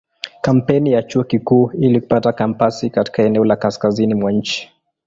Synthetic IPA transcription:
kam̩pɛnijat͡ʃuɔkikuːiliku̥patakampasikati̥kaɛnɛɔlakaskazinimwaɲ̩t͡ʃi̥

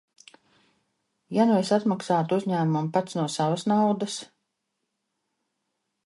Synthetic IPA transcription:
janujsat̪maksaːt̪uuzɲæːmumpat̪snuɔsavəsnawd̪əs

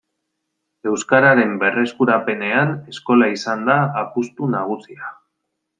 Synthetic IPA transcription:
e̞wskaɾaɾe̞mbe̞re̞skuɾape̞ne̞ane̞sko̞laisand̪aːpust̪unaɣ̞usia

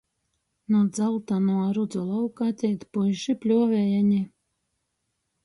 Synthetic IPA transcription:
nuɔd̪zalt̪anuɾud̪zulˠawkat̪ʲɛjt̪pujʃipʲlʲuɔvʲɛjaɲi

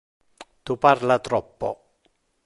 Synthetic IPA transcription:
t̪uparlat̪ɾɔpːɔ̰

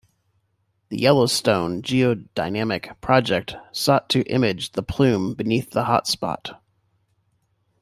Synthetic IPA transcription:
ðɨ̰jɛlˠoʊstõʊ̃nd͡ʒioʊd̥aɪnæmɨkpʰɹ̥ɑd͡ʒɛk̚tsɔtʰɨʔɪ̰̃mɪd͡ʒðəpʰl̥ʉ̃mbɨniθðəhɑ̰tspɑ̰t

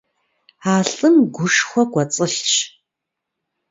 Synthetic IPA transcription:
aːɬɨmɡʷʊʂχʷɔɡʷɐt͡sʼɨʃt͡ʃ

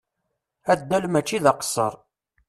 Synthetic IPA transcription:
æd̪ːælmæt͡ʃːiðɑqsːə̰ɾˤ

